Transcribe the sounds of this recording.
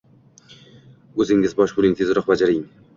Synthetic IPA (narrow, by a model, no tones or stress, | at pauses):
ɵzɪŋʲɪzbɒʃbʊɾɪŋzʲɪzɾɒqbad͡ʒaɾɪŋ